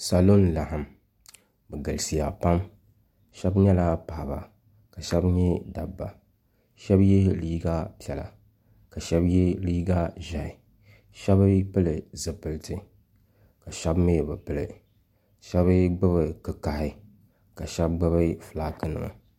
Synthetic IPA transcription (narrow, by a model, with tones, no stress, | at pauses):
sa˨lo˦nla˨ha˨m | bɨ˨ɡɨ˨lsi˨ja̰˨pa˦m | ʃɛ˦bɲɛ˦la˦pa˨ʔba̰˨ | ka˨ʃɛ˦bɲɛ˦da˨bːa̰˨ | ʃɛ˦bjɛ˦liː˦ɡa˦pi˨ɛ˨la̰˨ | ka˨ʃɛ˦bjɛ˦liː˦ɡa˦ʒa˨ɪ˨ | ʃɛ˦bɨ˦pɨ˦lɨ˨zɨ˨pɨ˨ltʰɨ˨ | ka˨ʃɛ˦bme˦˨bɨ˨pɨ˦lɨ̰˨ | ʃɛ˦βɨ˦ɡ͡bɨ˦βɨ˨kɨ˨ka˨hɪ˦ | ka˨ʃɛ˦bɡ͡bɨ˦βɨ˦fɨ˨la˦kɨ˦nɨ̰˨ŋɨ̰˨